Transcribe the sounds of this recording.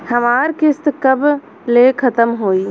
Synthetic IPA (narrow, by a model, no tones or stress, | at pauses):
həmaːɾkɪst̪kəb | lekʰət̪əmɦoːi